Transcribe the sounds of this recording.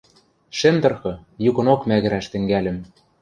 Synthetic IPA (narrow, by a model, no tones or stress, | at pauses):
ʃĕmt̪ɤ̆rxɤ̆jukɤ̆nokmæɣɘ̆ɾæʃt̪ɘ̆ŋɡælʲɘ̆m